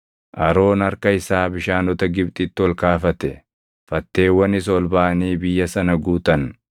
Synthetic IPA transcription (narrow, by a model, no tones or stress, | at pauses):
ʔɐɾo̞ːnɐɾkɐɪsaːbɪʃaːnɔt̪ɐɡɪbt̪ʼɪːt̪ːɪɔlkaːfɐt̪ɛ | fɐt̪ːe̞ːwːɐnɪs̬ɔlbaːɐniːbɪjːɐsɐnɐɡuːt̪ɐn